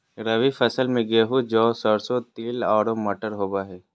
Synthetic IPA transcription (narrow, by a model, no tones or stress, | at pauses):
ɾɐʋifʰɐsəlmẽɡeːɦud͡ʒɔːsɔɾsot̪iːlaːɽoməʈəɾɦoːbaɦɛː